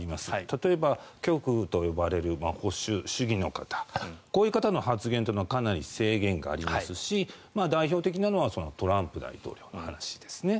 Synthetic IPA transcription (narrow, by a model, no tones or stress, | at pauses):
imasɨ̥t̪at̪o̞e̞bakʲo̞kɯ̟t̪o̞jo̞baɾe̞ɾɯ̟maho̞ɕɨɕɨɡʲino̞kat̪ʰḁko̞ːjɯ̟kat̪ano̞hat͡sɨɡẽ̞nt̪e̞noakanaɾʲḭse̞ːɡẽ̞ŋɡa̰ːɾʲimasɨɕimaːd̪aiçʲo̞ːt̪e̞kʲinano̞βaso̞no̞t̪o̞ɾãmpɯ̟d̪a̰it̪o̞̰ːɾʲo̞ːno̞hanaɕi̥d̪̥e̞sɨne̞